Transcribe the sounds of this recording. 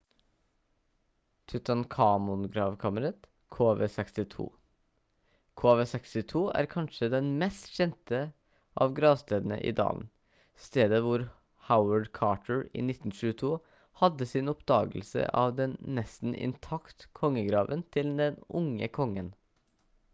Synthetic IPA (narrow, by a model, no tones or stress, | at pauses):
t̪ʰʉt̪ɑnkʰɑːmʊnɡɾɑːʋkʰɑməɾɑt̪ | kʰoːʋeːsɛkst̪ɪt̪ʰṵː | kʰoːʋeːsɛkst̪ɪt̪ʰuːæ̰ɾkʰɑnʂəd̪ɛnmɛst̪çɛnt̪ə | ʔɑʋɡɾɑːʋst̪eːd̪n̩ə̰ʔɪ̰ːd̪ɑ̰ːln̩ | st̪eːd̪əʋʊɾ | haʊəɖkʰɑːʈəɹḭːnɪt̪ːn̩ʃʉːət̪ʰuː | hɑd̪əsɪnɔpd̪ɑːɡəlsə̰ʔɑʋd̪ɛnːɛst̪n̩ʔɪ̰nt̪ʰɑkt̪kʰɔŋːəɡɾɑːʋənt̪ʰɪld̪ɛnʊŋəkʰɔŋːən